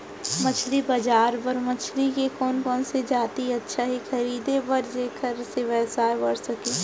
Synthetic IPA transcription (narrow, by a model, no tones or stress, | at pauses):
mɐt͡ʃʰlibɐd͡ʒaːɾpɐɾmɐt͡ʃʰlikekɔːnkɔːnsed͡ʒaːt̪iɐtːʃʰaɦixɐɾiːd̪epɐɾd͡ʒeːkʰəɾseʋɛːsaːbɐɽsɐkẽː